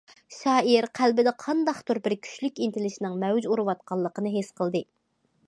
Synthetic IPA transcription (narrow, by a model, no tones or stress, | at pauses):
ʃɑːiɾqʰælbɪd̪ɛqʰɑnd̪ɑχt̪uɾbɪɾkʲʰy̥ʃlykʲint̪ʰɪlɪʃinɪŋmɛwd͡ʒuɾɨwɑt̪̚qʰɑlˠːəqənɨɦesqʰəlˠd̪ɨ